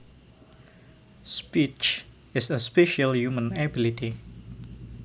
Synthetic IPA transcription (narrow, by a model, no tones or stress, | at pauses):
spit͡ʃ | ɪsəspɛʃəljumə̃nɛbilitʰi